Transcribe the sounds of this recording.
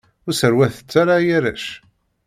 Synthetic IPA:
ʊɾsəɾwæθə̥t͡sːaɾajæɾæʃ

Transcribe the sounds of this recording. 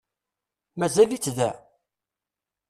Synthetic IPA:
mæzælit͡sːðæ

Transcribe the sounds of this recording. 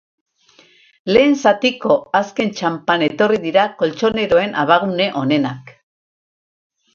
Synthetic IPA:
le̞ːnsat̪iko̞aske̞nt͡ʃampane̞t̪o̞riðiɾako̞lt͡ʃo̞ne̞ɾo̞e̞nʔaβaɣune̞ʔo̞ne̞nak

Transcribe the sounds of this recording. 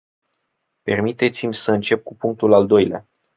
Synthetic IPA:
pe̞rmit̪e̞t̪simʲsəɨnt͡ʃe̞b̚kupuŋk̚t̪ulald̪o̞jlea̰

